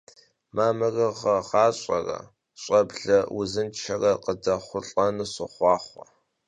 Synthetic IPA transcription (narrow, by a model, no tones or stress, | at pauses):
maːmɐrɐʁɐʁɑːɕʼɐ̰rɐ̰ | ɕʼɐbɮɐwʊzɨnt͡ʃʰɐrɐqədɐχʷʊɬʼɐnɨɕɨχʷɑːχʷɐ